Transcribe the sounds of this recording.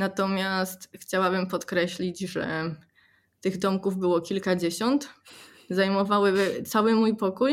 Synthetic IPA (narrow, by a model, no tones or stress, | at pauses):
nat̪ɔmʲjast̪xt͡ɕawabɘmpɔt̪kɾɛɕlʲid͡ʑʐɛ̰ | t̪ɘɣd̪ɔmkuvbɘwɔkʲilkad͡ʑeɕɔnt̪ | zajmɔvawɘt̪sawɘmujpɔkuj